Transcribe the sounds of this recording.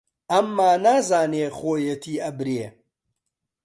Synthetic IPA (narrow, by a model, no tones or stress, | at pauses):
ɐmːaːnaːzaːneːχoːjɐt̪ʰiːɐbɾeː